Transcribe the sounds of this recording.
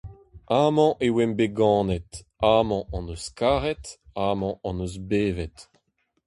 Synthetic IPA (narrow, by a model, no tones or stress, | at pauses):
amɑ̃ʔewɛmbeɡɑ̃ːnɛtaːmɑ̃ʔɑ̃nøskaːʁɛt̪aːmɑ̃ʔɑ̃nøzbeːvɛt